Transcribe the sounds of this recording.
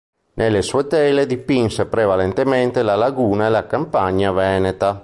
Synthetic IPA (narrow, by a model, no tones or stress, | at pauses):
nʔelːesuet̪ɛled̪ipinsepɾevalent̪ement̪elalaɡuːnaelakampaɲːavɛːnet̪a